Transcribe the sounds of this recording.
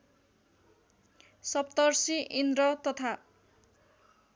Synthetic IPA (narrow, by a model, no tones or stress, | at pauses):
sʌp̚t̪ʌrsiʔind̪ɾʌt̪ʌt̪ʰa